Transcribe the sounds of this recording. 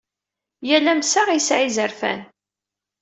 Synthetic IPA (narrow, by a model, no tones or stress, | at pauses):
jælæmsaʁisʕizəɾfæ̰n